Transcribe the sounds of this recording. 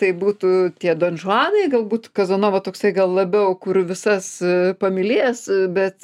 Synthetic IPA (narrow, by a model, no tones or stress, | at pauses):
t̪ɐɪbuːt̪uːt̪ʲiɛd̪oːnʒʊɑːnɐɪɡɐlˠbuːt̪kɐzɐnoːʋɐt̪oːksɐɪɡɐlˠlˠɐbʲɛʊkʊrʋʲɪsɐspɐmʲɪlʲeːsbʲɛt̪